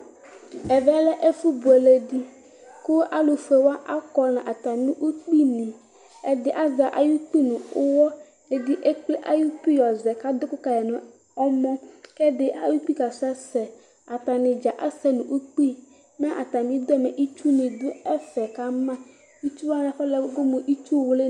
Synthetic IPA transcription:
ɛ˨vɛ˦lɛ˦ʔe˦fu˦bu˨ɛ˨le˨di˦ | kʊ˦a˦lo˨fu˨e˨wa˦ʔa˦kɔ˦nã˨ʔa˨t̪a˨nũ˦ʔu˦k͡pi˦nĩ˨ | ɛ˦d̪ɪ˦˨ʔa˦za˨ʔa̰˨ju˦k͡pi˦nũ˨ʊ˦wɔ˦ | e˨di˦ʔe˦k͡ple˦ʔa˦ju˦k͡pi˦jɔ˨zɛ˨ka˦d̪ʊ˦kʊ˦ka˨jɛ˨nʊ̃˨ | ɔ˦mɔ̃˦kɛ˦dɪ˦ʔa˨ju˦k͡pi˦ka˨sɛ˦sɛ˨ | a˨t̪a˨nɪ˨d͡ʒa˨ʔa˦sɛ˦nũ˨ʔu˦k͡pi˦ | mɛ̃˦ʔa˨t̪a˨mĩ˨˦d̪ɔ˦me˨ʔi˦t͡ʃu˦nĩ˨d̪ʊ˦ɛ˦fɛ˨ka˦mã˦ | i˦t͡ʃu˦wa˦nã˨fɛ˦lɛ˦ɡʊ˦mõ˨ʔi˦t͡ʃu˦˨wʊ˦le˦

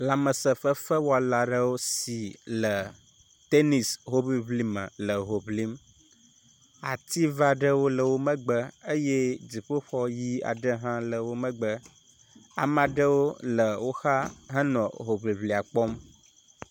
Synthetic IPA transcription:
la˨mə˨sə˨fə˦fə˦wɔ˦a˨la˨ɖə˦wo˦si˨lə˨ | t̪e˦ni˨sɦo˦bi˦βli˦mə̰̃˨lə˨ɦo˨bli˦m | a̰˨t̪i˦va˨ɖə˦wo˦lə˨wo˦mə̃˦ɡ͡bə˦ə˦je˦d͡zi˨ɸo˦ɸɔ˦ji˦a̰˨ɖə˦ɦã˦lə˨wo˦mə̃˦ɡ͡bə˦ | a̰˨m˦ã˨ɖə˦wo˦lə˨wo˦xa˦ɦə˦nɔ̃˨ɦo˨βli˨βli˨a˨k͡pɔ˦m

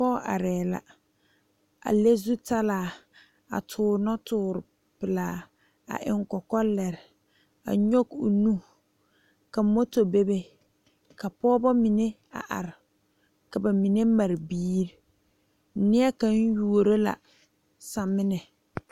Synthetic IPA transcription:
pɔː˦ʔa̰˨ɾɛː˨la̰˨ | a̰˨le˦zu˦ta˦laː˨ | a̰˨tʰʊː˨˦nɔ˦tʰʊː˨ɾɪ˨ | pɪ˨laː˨ | a̰˨ʔɪ̰˨ŋkɔ˨kɔ˦lɛ˨ɾɪ˨ | a̰˨ɲo˦ɡṵ˨nũ˦ | ka˨mo˦to˨be˦be˦ | ka˨pɔː˦bɔ˦mi˨ne˦ | a̰˨ʔa̰˨ɾɪ˨ | ka˨ba˨mi˨ne˦ma˨ɾbiː˦ɾɪ˨˦ | nɪ˦a˦ka˦n˦ju˦o˨ɾo˦la̰˨ | sa˨mɪ˦nɛ˨

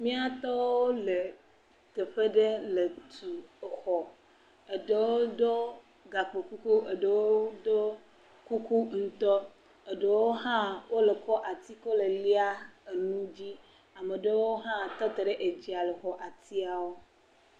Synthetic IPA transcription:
mĩ˦a˦t̪ɔ˦wo˦le˨ | t̪e˨ɸe˦ɖe˦le˨t̪ʰu˨xɔ˨ | e˨ɖe˨wwo˦d̪o˦ | ɡa˨k͡pe˨ku˦ku˦e˨ɖe˨wo˦d̪o˦ | ku˦ku˦ŋ̩˦t̪ɔ˦ | e˨ɖe˨wo˦ɦã˦wo˦le˨kɔ˦ʔa˨t̪i˦kɔ˦le˨li˦a˦e˨nũ˦d͡ʑi˦ | a˨me˨ɖe˦wo˦ɦã˦t̪ɔ˦t̪e˨ɖe˦ʔe˨d͡ʑi˨a˨le˨xɔ˨ʔa˨t̪i˦a˨wo˦

